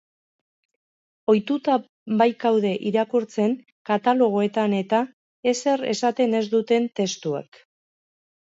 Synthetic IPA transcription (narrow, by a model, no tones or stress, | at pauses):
o̞jt̪ut̪a | βajkawð̞e̞ʔiɾakuɾt͡se̞ŋ | kat̪alo̞ɣ̞o̞e̞t̪ane̞t̪a | e̞se̞ɾe̞̰sat̪e̞ne̞zd̪ut̪e̞nt̪e̞st̪ua̰k